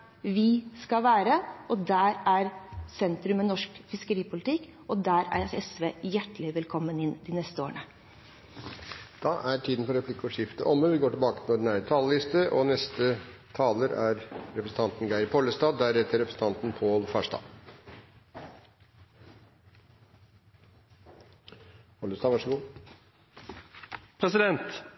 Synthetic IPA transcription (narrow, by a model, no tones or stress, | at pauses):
ʋɪskɑʋæːɾəɔd̪æːɾæɾsɛnt̪ɾʉmɛnɔʂkfɪskəɾiːpʊlɪt̪ʰɪkː | ɔd̪æːɾæ̰ɛsʋeːjæʈlɪʋɛlkʰɔmːənɪnːd̪ɪnɛst̪əo̰ːəɳə | d̪̥ɑːʔæɾʈʰiːd̪ən̩pɔɾɛpʰlɪkːɔʂɪft̪ə̰ʔɔmːəʋɪɡoːʈɪlbɑːkət̪ʰɪlɔɖnæɾət̪ʰɑːləlɪst̪əʔɔnɛst̪ət̪ʰɑːləɾæ̰ɾɾɛpɾəsn̩t̪ʰɑnt̪n̩ɡæɪɾpʰɔləst̪ɑːd̪æɾɛt̪ːəɾɛpɾəsn̩t̪ɑnt̪n̩pʰoːlfæːʂʈɑ̰ː | pʰɔləst̪ɑːʋɑʂəɡuː | pʰɾɛsɪd̪ɛnt̪